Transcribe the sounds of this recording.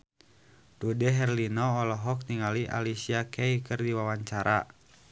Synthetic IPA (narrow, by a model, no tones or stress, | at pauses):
dudɛɦɛrlinɔːlɔɦɔk̚t̪iŋaliʔa̰lisiakʰɛikɨrdiwawaɲt͡ʃaɾʔa